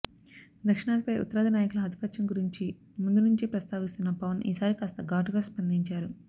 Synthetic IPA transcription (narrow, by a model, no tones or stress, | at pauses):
d̪ɐkʂiɳaːt̪ipɐjʔṵt̪ːɐɾaːd̪ɐnaːjɐkulɐɦɐd̪ʱipɐt̪ʃɐŋɡuɾiɲt͡ʃi | mund̪unuɲt͡ʃipɾɐst̪aːʋist̪unːɐpɐʋɐnḭːsaːɾikaːst̪ɐɡaːʈuɡaːspɐnd̪iɲt͡ʃaːɾu